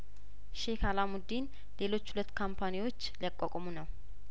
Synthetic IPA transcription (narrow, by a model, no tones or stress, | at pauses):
ʃekʰalamud̪in | le̞lo̞t͡ʃːhulət̪ːkʰampʰaniwo̞t͡ʃːliakʼːokʼomunəw